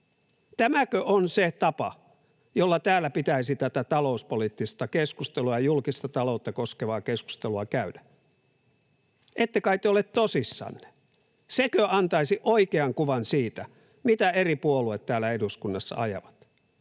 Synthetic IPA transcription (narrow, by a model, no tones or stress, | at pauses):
t̪æmækøʔonset̪ɑpɑ̰ | jolːɑt̪æːlːæpit̪æisit̪æt̪æt̪ɑlo̞uspolit̪ːist̪ɑkeskust̪eluɑjɑjulkist̪ɑt̪ɑlout̪ːɑkoskeʋɑːkesku̥st̪eluɑkæydæ̥ | ʔet̪ːekɑit̪ːeolet̪t̪osisːɑ̰nːe̥ | sekøɑnt̪ɑisiʔoikeɑŋkuʋɑnsiːt̪æ | mit̪æeripuoluet̪tæːlːˑæeduskunːɑsːɑ̰ɑjɑ̰ʋɑt̪